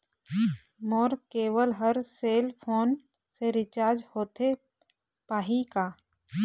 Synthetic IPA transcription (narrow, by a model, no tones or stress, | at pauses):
mɔːɾkeːʋəlɦəɾseːlpʰoːn | seɾɪt͡ʃaːɾd͡ʒhoːt̪e | paːɦikaː